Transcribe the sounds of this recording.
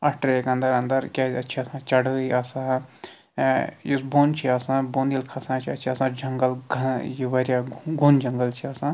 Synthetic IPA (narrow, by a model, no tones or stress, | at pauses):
ɐʈʰɾeːkɐ̃nd̪əɾɐ̃nd̪əɾkʲaːɐtːʃʰiɐsãːt͡ʃɐɽəaːsãː | jisboːnt͡ʃʰiaːsãːbond̪ilkʰɐsãːt͡ʃʰiɐtːt͡ʃʰiaːsãːd͡ʒɐ̃ŋɡəlɡɐjiʋəɾjaːɡʱund͡ʒɐŋɡəlt͡ʃʰiaːsãː